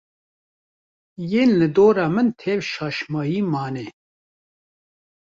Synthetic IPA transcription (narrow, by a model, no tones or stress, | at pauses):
jeːnlɨd̪oːɾɑːmɨnt̪ʰeːvʃɑːʃmɑːjiːmɑːnɛ